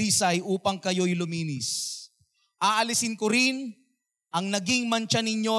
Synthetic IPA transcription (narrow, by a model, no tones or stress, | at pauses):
iːsɐjʔuːpɐŋkɐjo̞jlʊmiːnɪs | ʔaːʔɐlɪsɪnkʊɾɪn | ʔɐŋnɐɡiŋmɐnt͡ʃɐnɪɲjo̞